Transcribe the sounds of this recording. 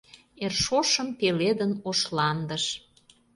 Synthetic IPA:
erʃoʃəmpeled̪ənoʃlɑnd̪əʃ

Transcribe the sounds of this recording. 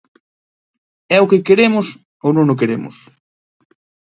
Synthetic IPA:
ɛʊkɪkeɾemʊs | ownõŋʊk̬eɾemʊ̰s

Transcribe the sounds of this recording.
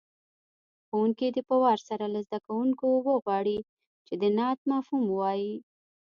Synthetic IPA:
xowuŋkid̪əpəwɑɾsaɾalazd̪akawuŋkowəɣwɑɽi | t͡ʃed̪ənɑt̪̚mɑfhumwɑji

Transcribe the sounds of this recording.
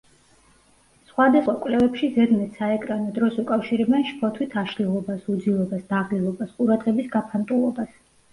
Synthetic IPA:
sχwad̪asχwakʼwlɛvɛpʃizɛd̪mɛt̪saɛkʼɾanɔd̪ɾɔsukʼafʃiɾɛbɛnʃpʰɔt̪ʰwit̪ʰaʃlilˠɔbasud̪zilˠɔbasd̪aʁlilˠɔbasqʼuɾad̪ʁɛbisɡapʰant̪ʼulˠɔbas

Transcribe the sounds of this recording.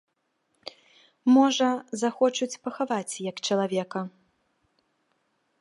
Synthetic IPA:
mɔʐɐzaxɔt͡ʂut͡sʲpɐxavat͡sʲjɐkt͡ʂɐlˠavʲɛkɐ

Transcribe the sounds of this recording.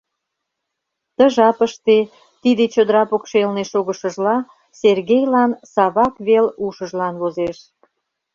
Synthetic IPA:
t̪ə̆ʒɑpəʃt̪e | t̪id̪et͡ɕod̪əɾɑpokʃelneʃoɣəʃəʒlɑ | serɣejlɑnsɑβɑkβeluʃəʒlɑnβozeʃ

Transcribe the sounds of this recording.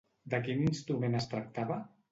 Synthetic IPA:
d̪əkininst̪ɾumenəst̪ɾək̚t̪aβə

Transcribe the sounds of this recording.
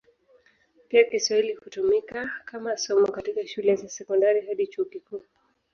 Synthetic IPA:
piakiswahilihutumikakamasɔmɔkatikaʃulɛzasɛkɔndaɾiɦaɗit͡ʃuːkikuː

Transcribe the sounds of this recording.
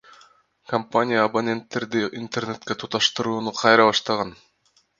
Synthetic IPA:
kɐmpanʲijaːbonʲe̞nt̪ːe̞ɾd̪iint̪e̞rne̞t̪kʲe̞t̪ʰut̪ɑʃt̪ɯɾuːnuqʰɑjɾɑβɑʃt̪ɑʁɑn

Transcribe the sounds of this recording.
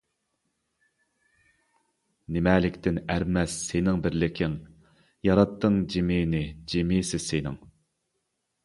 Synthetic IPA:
nɪmɛːlɪkʲt̪ʰɪnæɾmɛsːenɪŋbɪɾlɪkʲʰɪŋ | jɑɾɑt̪ʰːɨŋd͡ʒemɪːnɪd͡ʒemisɪsenɪ̰ŋ

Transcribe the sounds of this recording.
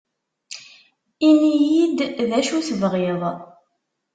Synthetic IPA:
inijid̪ðæʃuθəvʁeðˤ

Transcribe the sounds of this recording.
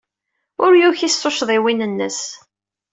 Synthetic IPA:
ʊɾjuçisːoʃðˤiwinənːəs

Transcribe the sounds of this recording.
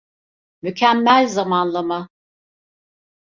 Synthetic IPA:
mycʰæmːælʲzamanlˠama

